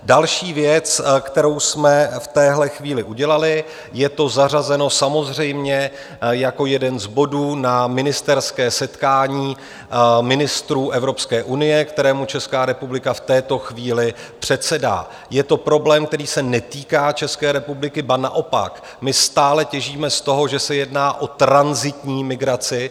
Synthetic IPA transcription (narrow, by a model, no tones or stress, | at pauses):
dalʃiːvjɛt͡skt̪ɛɾo̞wsmɛft̪ɛːɦlɛxviːlɪʔuɟɛlalɪ | jɛt̪o̞zar̝azɛno̞samo̞zr̝ɛjmɲɛ | jako̞jɛdɛnzbo̞duːnamɪnɪst̪ɛɾskɛːsɛt̪kaːɲiː | mɪnɪst̪ɾuːʔɛvɾo̞pskɛːʔunɪjɛkt̪ɛɾɛːmut͡ʃɛskaːɾɛpublɪkaft̪ɛːt̪o̞xviːlɪ | pr̝̥ɛt̪sɛda̰ː | jɛt̪o̞pɾo̞blɛːmk̚t̪ɛɾiːsɛnɛt̪iːkaːt͡ʃɛskɛːɾɛpublɪkɪbanaʔo̞pa̰k | mɪst̪aːlɛcɛʒiːmɛst̪o̞ɦo̞ʒɛsɛjɛdnaːʔo̞t̪ɾanzɪt̪ɲiːmɪɡɾat͡sɪ